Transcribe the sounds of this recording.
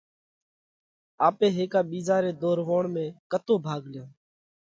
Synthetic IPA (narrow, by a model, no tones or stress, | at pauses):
aːpẽːɦeːkaːɓiːzaːɾeːd̪oːɾʋoːɳmẽːkət̪oːbʱaːɡljãː